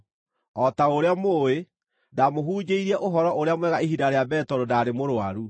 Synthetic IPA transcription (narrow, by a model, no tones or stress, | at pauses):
ɔtaoɾeamoːe | damoɦuːd͡ʑeiɾɛʔoɦɔɾɔʔoɾeamwɛɣaiɦidaɾeabɛːtɔɾodaːɾemoɾoaɾu